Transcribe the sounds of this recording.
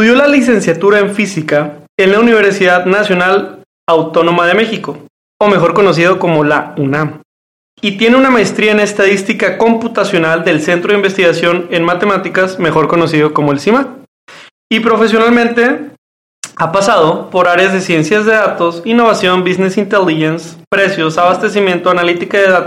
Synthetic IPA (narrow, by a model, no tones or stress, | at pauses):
t̪uðjo̞lalis̬e̞nsjat̪uɾaeɱfisikae̞nlauniβ̞e̞ɾsiðaðnasjo̞nal | awt̪o̞no̞mað̞e̞me̞xiko̞ | ome̞xo̞ɾko̞no̞s̬ið̞oko̞mo̞launãm | it̪je̞ne̞unamaest̪ɾiaenaest̪aðist̪ikako̞mput̪asjo̞nald̪e̞lse̞nt̪ɾo̞imbe̞st̪iɣasjo̞ne̞nmat̪e̞mat̪ikasme̞xo̞ɾko̞no̞sið̞o̞ko̞moelsima | ipɾo̞fe̞s̬jo̞nalmẽnt̪e̞ | apasað̞o̞po̞ɾaɾjazðe̞sje̞nsjazðe̞ðat̪o̞sinːo̞β̞asjo̞mbizne̞sint̪eliʝenspɾe̞sjo̞saβast̪e̞simjẽ̞nt̪oanalit̪ikaðeðat̪o